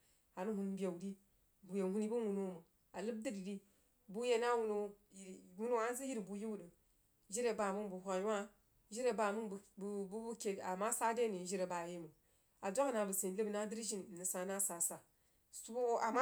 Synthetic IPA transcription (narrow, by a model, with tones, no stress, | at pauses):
a˨nu˦hu˨nbʲe˨u˨di˦ | bu˨je˨hu˦ni˦bu˦wu˨no˦mə˨ | a˨lɨ˦b̚dɨ˦di˨di˦ | bu˦je˦na˦wu˦no˦ji˨wu˦no˦a˦n˦zi˦ji˦ɾi˨bu˨ji˦wu˦də˨ | ʒi˦ɾe˨ba˨mu˦nbu˨hʷa˨ja˦ | ʒi˦ɾe˨ba˨mu˦˨bu˦bu˦ke˨a˨ma˦sa˦de˦ni˨ʒi˦ɾe˨ba˨ji˦mə˨ | a˨d͡ʒa˦kna˨bə˨se˨lə˦bna˦dɨ˦ɾʒi˦n˨nə˨sa˨na˦sa˨sa˨ | su˦o˦a˨ma˦